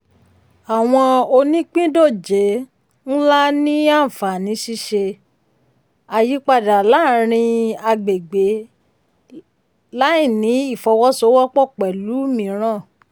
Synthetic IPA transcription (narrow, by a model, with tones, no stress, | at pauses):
a˨w̃ɔ̃˧o˧nĩ˦k͡pĩ˦do˦˨d͡ʒe˨˦ | ñ̩˦la˦nĩ˦a˦˨fa˨nĩ˨˦ʃi˦ʃe˧ | a˨ji˨˦k͡pa˦˨da˨la˨˦ɾ̃ĩ˧a˧ɡ͡be˨ɡ͡be˨˦ | la˦i˦˨nĩ˨˦i˦˨fɔ˧˦wɔ˦so˧˦wɔ˦k͡pɔ˦˨k͡pɛ˨lu˨˦mĩ˨˦ɾ̃ã˦˨